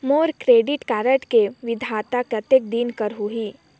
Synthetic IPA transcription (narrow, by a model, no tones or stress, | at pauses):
moːɾkɾeːɖɪʈkaːɾəʈkeʋɪd̪ʱaːt̪apɾɐt̪jək̚d̪iːnkəɾɦuɦiː